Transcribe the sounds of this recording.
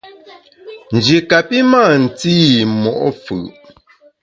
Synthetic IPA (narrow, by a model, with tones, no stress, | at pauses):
n̩˨d͡ʒi˨ka˨pi˦maː˦˨n̩˨t͡si˦˨mɔ˨ʔɔ˦fɯ̰˨ʔ